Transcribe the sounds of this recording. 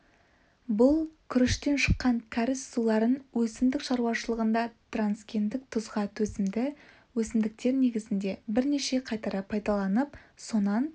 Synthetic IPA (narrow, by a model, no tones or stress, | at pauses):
bʊlˠkʲʰʏɾɪʃt̪e̞nʃə̥qːɑŋkʲʰaɾɪsːulˠɑɾənwɵsɪmd̪ɪkʃɑɾuɑʃəlˠəʁənd̪ɑt̪ranskʲe̞nd̪ɪk̚t̪ʰʊzʁɑt̪ʰɵzɪmd̪ɪ | wɵsɪmd̪ɪk̚t̪e̞ɾne̞ɡʲɪzɪnd̪e̞bɪɾne̞ʃe̞qʰɑjt̪ɑɾɑpʰɑjd̪ɑlˠɑnəpso̞nɑn